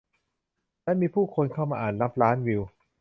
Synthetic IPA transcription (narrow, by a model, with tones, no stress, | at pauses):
lɛ˦˥miː˧pʰuː˥˩kʰo˧nkʰaː˥˩wmaː˧ʔaː˨˩nla˦˥p̚ɾaː˦˥nwi˧w